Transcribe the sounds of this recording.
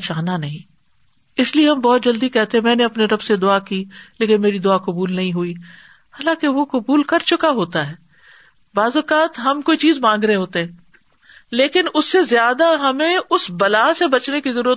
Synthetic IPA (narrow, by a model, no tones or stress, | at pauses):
t͡ʃaːɦnanɐɦĩː | ɪslieɦɐ̃mbɔːt̪̚d͡ʒɐld̪ikɛɦt̪eɦɛ̃mɛ̃ːneɐpneɾɐbsed̪ʊaːkiːleːkɪnmeːɾid̪ʊaːkɐbuːlnɐɦĩɦui | haːlãːkeʋokɐbuːlkɐɾt͡ʃʊkaɦoːt̪aɦɛː | baːzoːkaːt̪ɦɐmkoːit͡ʃiːzmãːŋɡɾəɦeɦoːt̪eɦɛ̃ː | leːkɪnʊsːezjaːd̪aɦɐmẽʊsbɐlaːsebɐt͡ʃnekizɐɾuːɾət̪